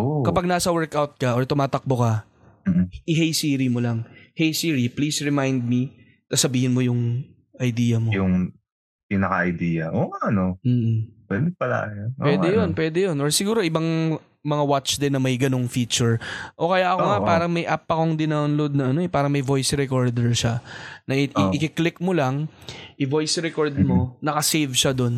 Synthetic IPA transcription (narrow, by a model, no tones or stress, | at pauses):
ʔokɐpaɡ̚naːsɐwɛɹkawt̪̚kɐʔoɹt̪ʊmaːt̪ɐk̚bokɐ | m̩ːʔʔɪɦejsiːɾimolɐŋhejsiːɹipliːsɹɛmajnd̪̚mi | sasɐbiːhɪnmo̞jʊŋ | ʔɐjd̪iːjɐmojʊŋ | piːnɐkɐʔɐjd̪iːjɐʔoːaɐnomm̩ːʔ̩pwɛ̰d̪ɛpɐla̰ːjoʔowɛːɛnjonpwɛːd̪ɛjonʔoɹsɪɡuːɾo̞ʔɪbaŋ | mɐŋawat͡ʃd̪ɪnːɐmɐjɡɐno̞ŋfiːt͡ʃʊɹʔoːkɐjaʔɐkoŋaʔpaːɾɐŋmɐjʔapːɐko̞ŋd̪ɪnawnlod̪̚nɐɐnoɛpaːɾɐŋmɐjvo̞jsɾɛkoɹd̪ɛɹʃanɐʔɪɪɪkɪklɪk̚molɐŋʔɪvo̞jsɾɛkoɹd̪̚mo̞nɐkɐsejvʃɐd̪o̞n